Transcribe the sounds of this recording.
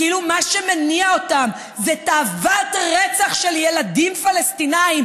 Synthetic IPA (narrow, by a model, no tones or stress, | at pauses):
ilumaʃemeniaotam | zetaːvatʁet͡saχʃe̞lje̞ladimfalestinaim